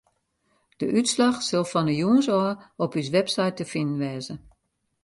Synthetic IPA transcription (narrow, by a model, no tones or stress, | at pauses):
d̥əʔytslaxsɔlˠfɔnəjuənsɔːɔpys̬ʋɛpsajtəfɪnn̩ʋɛːzə